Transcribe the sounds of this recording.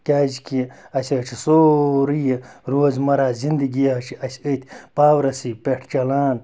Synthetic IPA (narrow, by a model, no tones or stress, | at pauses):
kʲaːzikʰi | ɐsʲɐt͡ʃʰisoːɾijiɾoːzmɐɾaːzind̪iɡijɦɐt͡ʃʰiɐsʲət̪ʰʲpaːwɾɐsipeʈʰt͡ʃɐlaːn